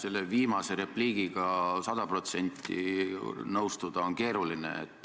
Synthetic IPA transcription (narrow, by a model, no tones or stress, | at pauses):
se̞lːeviːmɑse̞ɾe̞pliːɡ̥iɡ̥ɑsɑd̪̥ɑpro̞t̪se̞nʲt̪ːˑḭnɤwst̪ud̪̥ɑonke̞ːɾulinḛḛt̪ːˑ